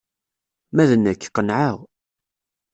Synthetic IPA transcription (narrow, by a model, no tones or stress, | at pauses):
mæðənːəkːqːənʕaʁ